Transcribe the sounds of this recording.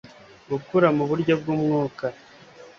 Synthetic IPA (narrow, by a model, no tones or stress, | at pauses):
ɡukuɾamuβuɾɟo̞bɡuːmŋuːka